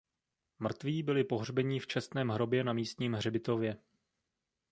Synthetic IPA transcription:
mr̩t̪viːbɪlɪpo̞ɦr̝bɛɲɪft͡ʃɛst̪nɛːmɦɾo̞bjɛnamiːst̪ɲiːmɦrɛbɪt̪o̞vjɛ

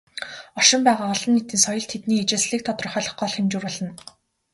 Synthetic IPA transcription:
ɔʃɪ̆mpæːʁaːɔɮɞ̆nːet̪iːnsɔjɞ̆ɮt̪ʰet̪niːet͡ɕeːsɮiːk̚t̪ʰɔt̪r̆χœːɮɞ̆χɢɔɮxemt͡ɕuːrpɔɮɞ̆n

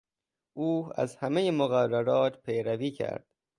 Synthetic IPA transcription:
ʔuːæ̰zhæmejemoɣærːæɾɒːt̪ʰpʰejɾæviːcʰæ̰ɾd̪̥

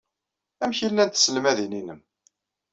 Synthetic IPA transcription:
æmçilːænt̪səlmæðininəm

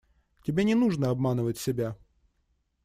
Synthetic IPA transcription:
tʲɪbʲenʲɪnuʐnəɐbmanɨvətʲsʲɪbʲa

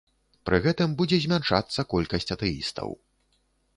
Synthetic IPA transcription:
pɾɨɣɛt̪ɨmbud͡zʲɛzʲmʲanʂa̰t̪sːɐkɔlʲkɐsʲt͡sʲɐt̪ɛḭst̪ɐ̰w

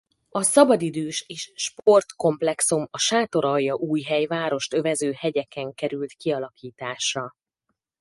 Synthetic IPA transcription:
ɒsɒbɒd̪id̪øːʃeːʃʃpo̞rt̪ko̞mplɛksumɒʃaːt̪o̞ɾɒjːɒʔuːjɦɛjvaːɾo̞ʃt̪ø̞vɛzøːhɛɟɛkɛŋkɛɾylt̪kiɒlɒkʰiːt̪aːʃrɒ

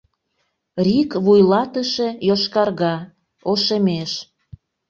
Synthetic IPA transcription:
rikβujlɑt̪əʃe̽joʃkɑrɣɑ | oʃemeʃ

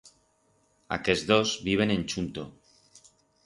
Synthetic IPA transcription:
a̰kezðozβiβ̞enẽnt͡ʃunt̪o

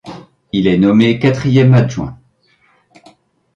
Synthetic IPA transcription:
ilɛnɔmekat̪χijɛmaʒwɛ̰̃

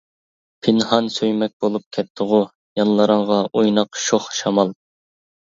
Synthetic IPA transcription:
pʰɪnhɑnsøjmɛk̚ʲb̥olˠup̚kʲʰɛt̪̚t̪ʰːʊʁʊ | jɑnlˠəɾəɴʁɑʔojnɑqʃoχʃɑmɑlˠ

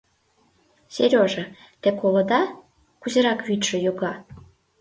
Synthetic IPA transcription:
sʲeɾʲoʒɤ̆ | t̪ekolŏd̪ɑ | kuzə̆ɾɑkβʲyt̪ʃə̆joɡɑ

